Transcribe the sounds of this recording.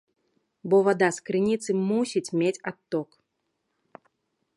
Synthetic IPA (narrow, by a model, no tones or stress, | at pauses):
bɔvad̪askɾɨnʲit̪sɨmusʲit͡sʲmʲet͡sʲat̪ːɔk